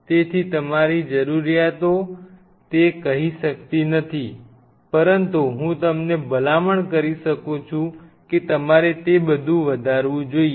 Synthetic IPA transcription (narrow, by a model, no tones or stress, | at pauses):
t̪et̪ʰit̪əmaɾid͡ʒəɾuɾijat̪o | t̪ekəɦiʃəkt̪inət̪ʰi | pəɾənt̪uɦũt̪əmnebəlaməɳkəɾiʃəkũt͡ʃʰũket̪əmaɾet̪ebəd̪ʱũʋəd̪ʱaɾʋũd͡ʒoie